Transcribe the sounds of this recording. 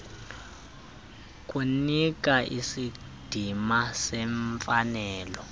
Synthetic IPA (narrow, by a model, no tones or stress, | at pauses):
k̬ʼunik̬ʼaʔisi | d̥ʱimasɛɱfanɛːlɔ